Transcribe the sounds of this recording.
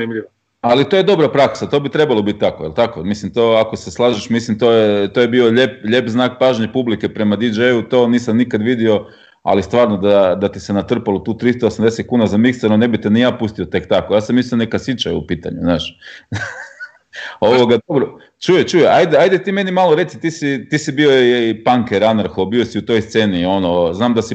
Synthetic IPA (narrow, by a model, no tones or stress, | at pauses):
znimʎio | alit̪o̞je̞d̪o̞bɾapɾaksat̪o̞ːbit̪ɾe̞balˠo̞bit̪̚ʲt̪akojelˠt̪akomislimt̪o̞ako̞seslˠaːʒeʃmislimt̪o̞jet̪o̞jebio̞ʎepʎe̞pznaːk̚paːʒɲepublike̞pɾe̞mad̪id͡ʒejut̪o̞ːniːsamnikad̪ʋid̪io̞ | a̰list̪ʋaːɾnod̪ad̪at̪isenat̪r̩palˠot̪uːt̪ɾist̪oːsamd̪e̞set̪̚kuːnazamiksanone̞bit̪e̞nijaːpust̪io̞t̪e̞kt̪akojaːsamislionekasjit͡ʃa̰j̰upiːt̪a̰ɲṵznaːʃ | oʋoɡad̪obɾo | t͡ʃujet͡ʃujeʔajd̪eajd̪et̪iːme̞nimaloɾe̞t̪sit̪iːsit̪iːsibiopaŋkeɾanaɾxobio̞siut̪o̞jst̪se̞ːnio̞noznaːmd̪asi